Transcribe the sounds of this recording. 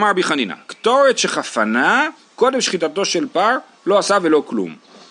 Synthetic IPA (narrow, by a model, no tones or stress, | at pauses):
maʁbiχanina̰kt̪o̞ʁet̪ʃeχafana | ko̞d̪e̞mʃχit̪at̪o̞ʃe̞lpaʁ | lo̞asave̞lo̞klṵm